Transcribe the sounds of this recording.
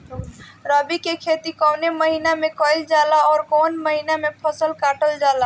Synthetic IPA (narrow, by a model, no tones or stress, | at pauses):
ɾəbikekʰet̪ikəwneməɦinamekəjld͡ʒalaɔːɾkonməɦinamepʰəsəlkaʈəld͡ʒala